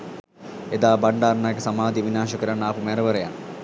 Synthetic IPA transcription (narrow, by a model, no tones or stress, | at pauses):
ed̪aːbaɳɖaːrnajəkəsamaːd̪iʋinaːʃɐkəɾanːpumɛɾəʋəɾeja̰nː